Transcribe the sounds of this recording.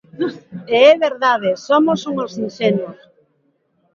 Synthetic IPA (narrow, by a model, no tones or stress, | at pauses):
eɛβeɾðað̞esomosuŋosinʃɛnos